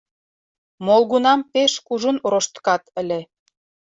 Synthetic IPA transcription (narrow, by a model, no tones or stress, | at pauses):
molˠɣunɑmpeʃkuʒunɾoʃt̪kɑt̪ə̆lʲe